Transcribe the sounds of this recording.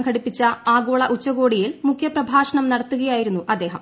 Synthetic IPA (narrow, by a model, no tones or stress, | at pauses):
ŋɡkʰɐɽipːit͡ɕːɐaːɡoːɭɐʔut͡ɕːɐɣo̞ːɽijilmukʰjɐprɐbʱaːʂɐɳɐmnɐɽɐt̪ːuɣɐjaːjiɾunːuʔɐd̪ːeːɦɐm